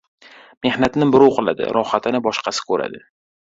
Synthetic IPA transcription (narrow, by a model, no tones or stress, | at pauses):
me̞hnat̪nɪbɪɾʊwqʰɨlˠa̰d̪ɪ̰ɾɒhat̪ʰɪnɪbɒʃqʰɑsɪ̥kʰɵɾa̰d̪ɪ